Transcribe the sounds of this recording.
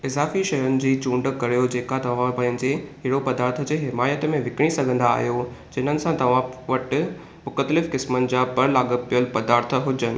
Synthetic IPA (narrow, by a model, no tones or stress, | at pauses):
ɪzaːfiʃɐjʊnɪ̆d͡ʑiːt͡ɕũːɳɖə̆kɐɾijod͡ʑeːkat̪ɐʋ̤ãpɐ̃ɦɪ̃ɲd͡ʑeɦɪɽopɐd̪aːɾt̪ʰəd͡ʑeːɦɪmaːjət̪mẽʋɪkɪɽ̃isɐɡʱə̃nd̪a̰ːɦjod͡ʑɐɪn̤ənɪ̆sãt̪ɐʋ̤ãʋɐʈɪ̆ | mʊkət̪lɪfkɪsmənɪ̆d͡ʑapɐɾlaːɠəpijəlpɐd̪aːɾt̪ʰə̆ɦʊd͡ʑənɪ̆